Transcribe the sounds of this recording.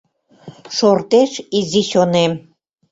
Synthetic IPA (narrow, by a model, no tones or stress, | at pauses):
ʃort̪eʃiziɕonem